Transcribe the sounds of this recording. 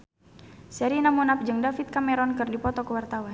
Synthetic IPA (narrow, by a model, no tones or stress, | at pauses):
sɛɾinamunap̚d͡ʒɨŋdafit̪̚kamɛɾɔnkɨrdipɔt̪ɔkəwart̪awan